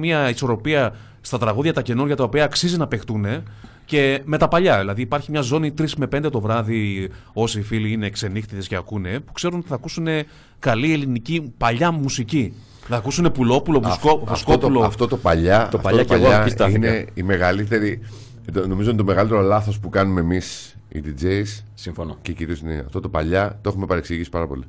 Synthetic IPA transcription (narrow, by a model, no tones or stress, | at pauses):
miɐiso̞ɾo̞piɐ | st̪ɐt̪ɾɐɣuðʝɐt̪ɐce̞nuɾʝɐt̪ɐopiɐːksizinɐpe̞xt̪une̞ | ce̞me̞t̪ɐpɐʎɐðilɐðiːpɐɾçimɲɐzo̞nit̪ɾisme̞pe̞nd̪e̞t̪o̞vɾɐði | o̞siːfiliine̞kse̞nixt̪it̪esce̞ɐkune̞pu̥kse̞ɾunot̪iθɐkusune̞ | kɐlie̞linicipɐʎɐmusici | θɐkusune̞pulo̞pulovsfkouskopt̪uloɐft̪o̞t̪opɐʎɐt̪ofpɐʎɐeʎoɐistt̪ɐineime̞ɣɐlit̪e̞ɾi | t̪no̞mizoint̪ome̞ɣɐlit̪e̞ɾo̞lɐθo̞spukɐnumeːmis | ḭd̪id͡ʒeissimfonceciɾiosineɐ̰ft̪ot̪o̞pɐʎɐt̪exumepɐɾeksiʝisi̥pɐɾɐpo̞lḭ